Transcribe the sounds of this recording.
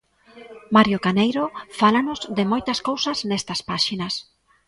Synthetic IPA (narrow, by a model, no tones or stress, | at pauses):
maɾjokanejɾofalanozd̪emojt̪askowsaznest̪aspaʃinas